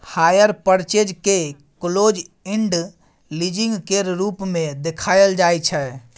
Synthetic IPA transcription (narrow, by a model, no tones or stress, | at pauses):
hajəɾpəɾt͡ʃed͡ʒke | klod͡ʒiɳɖ | lid͡ʒĩŋɡkeɾɾupmed̪ekʰajəld͡ʒajt͡ʃʰɛ